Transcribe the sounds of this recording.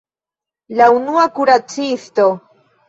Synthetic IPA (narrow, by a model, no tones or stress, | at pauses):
launuakuɾat͡sist̪o̞